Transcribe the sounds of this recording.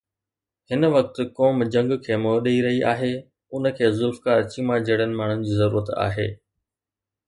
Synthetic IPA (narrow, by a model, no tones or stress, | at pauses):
ɦɪnəʋɐk̚t̪̆koːmd͡ʑɐ̃ŋɡkʰeːmoɗeiɾɐɦiʔaːɦeː | ʊnə̆kʰeːzʊlfkaːɾt͡ɕimãd͡ʑɐɽənɪ̆maːɳ̤ʊnɪ̆d͡ʑiːzɐɾṵːɾət̪a̰ːɦḛː